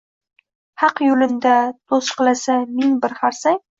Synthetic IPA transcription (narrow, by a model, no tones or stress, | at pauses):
hɑqjʊlɪnd̪at̪ʰosqɨlˠasamɪŋbɪɾχaɾsaŋ